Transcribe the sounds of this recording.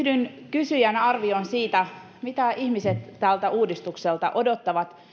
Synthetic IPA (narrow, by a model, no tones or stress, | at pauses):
hdynkysyjænɑrʋionsiːt̪æ | mit̪æʔihmiset̪ːælt̪æʔuːdist̪ukselt̪ɑʔodot̪ːɑʋɑt̪